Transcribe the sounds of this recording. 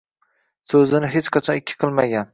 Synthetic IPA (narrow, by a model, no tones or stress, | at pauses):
sɵzɪnɪɦet͡ʃqʰɑt͡ʃʰɒnɪkʲʰːɪ̥qʰɨlˠmaɡʲan